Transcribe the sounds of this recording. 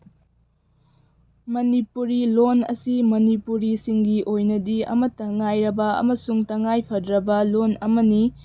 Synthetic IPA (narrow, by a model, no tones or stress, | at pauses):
mɐnipuɾilonɐ̰simɐnipuɾisiŋɡiʔojnɐdiɐ̰mɐtːɐŋajɾɐbɐɐ̰mɐsuŋtɐŋajpʰɐdɾɐbɐlonɐmɐni